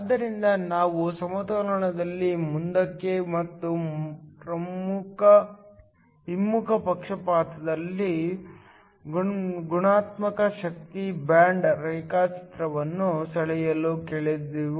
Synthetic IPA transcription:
ɐd̪ːɐɾind̪ɐnaːʋusɐmɐt̪ɐlɐɳɐd̪ɐlːimund̪ɐkːemɐt̪ːupɾɐmmukʰɐ | ɦimːukʰɐpɐkʂɐpaːt̪ʰɐd̪ɐlːi | ɡɡuɳaːt̪mɐkɐʃɐk̚t̪ibaːɳɖɾɐjkaːt͡ʃi̥t̪ɾɐʋɐnːusɐɭɛjɐlukeːɭid̪iʋ

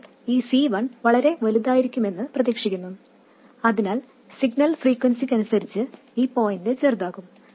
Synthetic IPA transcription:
iːsiːʋɐɳʋɐɭɐɾe̞ʋɐluðaːjiɾikʲːume̞nːɨprɐðeːkʂikʲːunːu | ɐðinaːl | siɡnɐlfriːkwɐnsikʲːɐnusɐɾit͡ɕːɨ | iːpo̞ːjnde̞t͡ɕe̞ːrd̪aːɣum

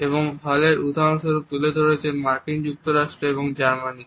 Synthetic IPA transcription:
eβoŋbʱɔleɾud̪ʱaonʃoɾut̪uled̪ʱoɾet͡ɕʰemaɾkind͡ʑuk̚t̪oɾaʃʈɾoeboŋd͡ʑaɾmani

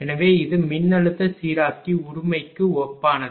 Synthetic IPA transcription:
ɛnɐʋeːɪðɯmɪnːɐɭɯt̪ːɐsiːɾaːkːiʊɾʊmɐɪkːɯɔpːaːnɐðɯ

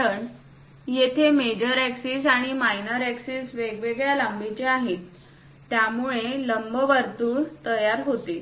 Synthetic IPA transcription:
əɳ | jet̪ʰemed͡ʑəɾæksiːsaɽ̃imainəɾæksiːsʋeɡʋeɡɭjalambit͡ɕeaɦe | t̪jamuɭeləmbəʋəɾt̪uːɭt̪əjaɾɦot̪e

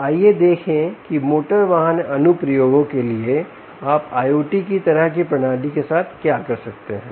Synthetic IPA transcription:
aːjed̪eːkʰẽkimoːʈəɾʋaːɦənɐnupɾɐjoːɡõkelie | aːpaːjoːʈikit̪ɐɾəɦkipɾɐnaːd̪ikesaːt̪ʰkjaːkɐɾsɐk̚t̪eɦɛ̃ː

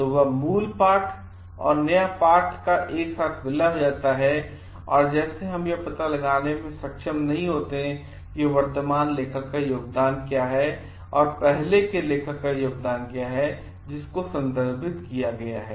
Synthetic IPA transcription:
t̪oʋɐmuːlpaːɾʈʰ | ɔ̰ːɾnɐjapaːɾʈʰkaʔeːksaːt̪ʰʋɪlaɦod͡ʒaːt̪aɦɛ | ɔːɾd͡ʒɛːseɦɐmjepɐt̪alɐɡaːnemẽsɐkʃəmnɐɦĩɦoːt̪eɦɛ̃ | kiʋəɾt̪əmaːnleːkʰəkːajoːɡ̚d̪aːnkjaːɦɛ | ɔːɾpɛɦlekeleːkʰəkːajoːɡ̚d̪aːnkjaɦɛ | d͡ʒɪskosɐ̃nd̪əɾbʱɪt̪kijaɡɐja̰ɦɛː

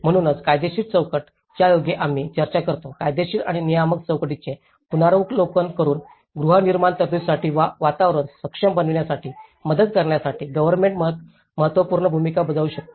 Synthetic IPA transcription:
m̤əɽ̃uːnəd͡zkajd̪eɕiːʈt͡səwkəʈ | t͡ɕjajoɡeʔam̤iːt͡ɕəɾt͡ɕakəɾt̪okajd̪eɕiːʈa̰ɽ̃inijamək̚t͡səwkʈit͡se | punaɾəklokənkəɾuːn | ɡɾuɦaniɾmaɳt̪əd̪ussaʈiːʋaʋat̪aʋɾunsəkʂəmbənəʋɳjasaʈʰiː | məd̪əd̪̚kəɾɳjasaʈiːɡəʋəɾmeɳʈmə | məɦət̪ʋəpuːɾɳəbʱumikabəd͡zauːɕək̚t̪o̥

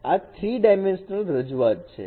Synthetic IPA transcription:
at̪ʰɾiɖajmẽnʃənəlɾəd͡ʒuat̪̚t͡ʃʰḛ

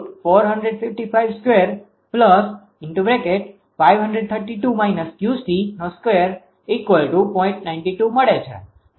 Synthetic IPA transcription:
ʈfoɾɦəɳɖɾeɖfɪfʈifaiʋskweəɾ | pləs | ɪɳʈubɾekeʈ | fajʋɦə̃ɳɖɾeɖ̚t̪ʰəɾʈiʈumajnəskjust̪inoskʋeəɾ | ikʋəlʈupɔ̃ɪ̃ɳʈnaɪ̃nʈiʈuməɽet͡ʃʰḛ

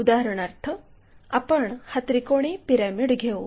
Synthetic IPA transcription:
ud̪aɦəɾəɳ̃aɾt̪ʰə | a̰pəɳhat̪ɾikoɽ̃epiɾamiɽɡʱew

